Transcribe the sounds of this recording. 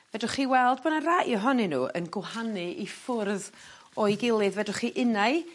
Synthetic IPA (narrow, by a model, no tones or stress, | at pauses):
vɛdʊχiːwɛlˠd̚bɔnaraʔiɔɦɔninṵːʔə̰nɡwɦanɨifʊrð | ɔjɡɪlˠɨðvɛdʊχiʔɪnaɨ